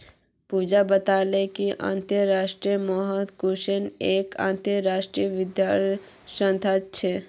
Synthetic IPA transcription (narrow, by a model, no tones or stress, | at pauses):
puːd͡ʒabət̪aːlekiʔã̰ːnt̪əɾaːʃʈɾiəmɔɦət̪kuʃeneːkã̰ːnt̪əːaːʃʈɾiəʋɪd̪jaɾ | ʃə̃nt̪ʰat͡ʃʰe